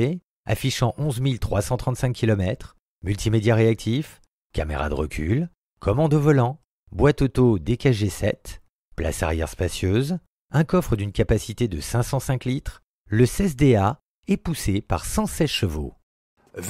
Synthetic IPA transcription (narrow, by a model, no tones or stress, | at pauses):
e | a̰fiʃɑ̃ʔɔ̃zmilt̪χwasɑ̃t̪χɑ̃t̪sɛ̃kʲːilɔmɛt̪χ | mylt̪ʰimed̪jaʁeak̚t̪ʰif | kʲamḛʁa̰d̪əʁə̰kʲʰyl | kʰɔmɑ̃d̪ɔvɔlɑ̃ | bwat̪ot̪od̪ekaʒesɛt̪ | pla̰sa̰ʁjɛ̰ʁspasjøz | ɛ̃kɔfχəd̪ynkʲapasit̪ed̪əsɛ̃sɑ̃sɛ̃klit̪χ | ləsɛs̬d̪ea | ɛpusepa̰ʁsɑ̃sɛt̪ʃəvo̰ | v